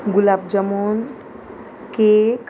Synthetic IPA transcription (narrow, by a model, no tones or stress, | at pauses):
ɡʊlaːbd͡ʒəmoːn | kek